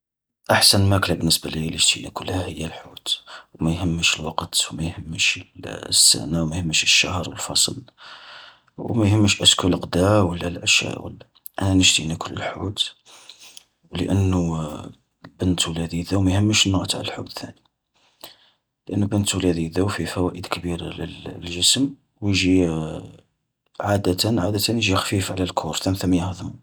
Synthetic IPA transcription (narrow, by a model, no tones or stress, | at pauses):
ʔaħsənmæklæbənːəsbæliləʒt̪inækʊlːhæhəjːælħut̪wmæjhəmːəʃəlwɑqt̪wmæjhəmːəʃəlsːæ̰nawmæhəmːəʃəʃːahɾˤwəlfɑ̰sˤəl | wmæjhəmːəʃʔæskulqd̪æwəlːælʔæʃæ̰ʔwə̰lːæ | ʔænænəʒt̪inækʊlːə̰lħut̪ | wləʔənːu | bənt̪wəlæd̪iðæwmæjhəmːəʃənːʊʔt̪ʕ̰lælħud̪t̪ːæni | ləʔənːubənt̪wlæd̪iðæwfifæwæʔəd̪kəbiɾlə̰llʒəsəm | wjʒi | ʕad̪æt̪ənʕad̪æt̪ənjʒixfifʕlælkʰuɾˤθæmθæmːæjəhðəmu